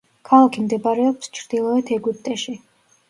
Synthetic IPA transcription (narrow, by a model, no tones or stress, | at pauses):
kʰalˠakʰimd̪ɛbaɾɛɔpst͡ʃʰɾd̪̥ilˠɔɛt̪ʰɛɡupt̪ʼɛʃi